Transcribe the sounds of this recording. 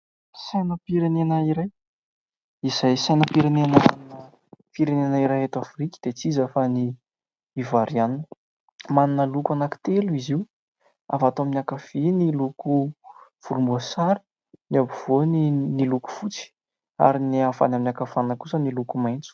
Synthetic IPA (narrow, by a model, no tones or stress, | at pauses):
sajnəpiɾenenəiɾaj | izajsajnəpiɾenenaaninə | fiɾenenəiɾajet̪afrikʲid̪̥et͡sizafaniː | vaɾianin | maninəlukuanaki̥t̪eluiziu | a̰fat̪oaminakafenilukuv̥uɾumbuasaɾi̥ | niabiv̥oniniluku̥fut͡si̥ | a̰ɾiniafa̰naminakafanəkusənilukumajnt͡su̥